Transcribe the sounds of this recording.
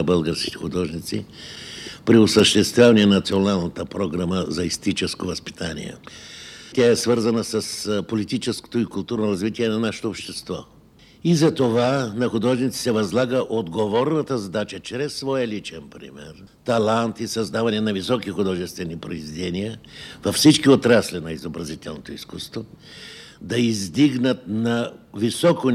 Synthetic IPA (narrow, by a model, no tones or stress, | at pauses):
bəlˠɡəɾskʲi̥t̪ɛ̥xud̪ɔʒnit̪si | pɾiʊsəʃt̪ɛst̪vʲjavɐniɛnɐt̪sionalˠnət̪əpɾoɡɾaməzɐist̪it͡ʃɛskovɐspi̥t̪anḭɛ̰ | t̪ʲaɛsvəɾzɐnəsɐspolit̪it͡ʃɛsko̥t̪oikʊlˠt̪uɾnoɾɐzvit̪iɛnɐnaʃɛ̥t̪oːpʃt̪ɛst̪vɔ | izɐt̪ovanɐxʊd̪ɔʒnit̪si̥sɛvɐzlˠaɡəʔod̪ɡovɔɾnɐt̪əzɐd̪at͡ʃət͡ʃɾɛsːvɔjəlit͡ʃɛnpɾḭmɛ̰ɾ | t̪ɐlˠant̪isɐzd̪avɐnɛnɐvisɔkixʊd̪ɔʒɛst̪vɛnipɾo̰izvid̪ɛnijəvɐfsit͡ʃkiot̪ɾaslʲinɐizobɾɐzit̪ʲɛlˠnot̪oiskust̪vo | d̪ɐizd̪iɡnət̪̚nɐvisɔko